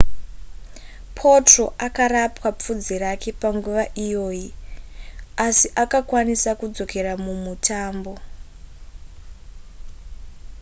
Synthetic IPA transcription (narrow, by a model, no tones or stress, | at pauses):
pʰo̞tro̞ʔakaɾapwap͡fud͡ziɾake̞paŋɡuʋaʔijo̞ːji | asiʔakakwanisakud͡zo̞ke̞ɾamumutʰaːmbo̞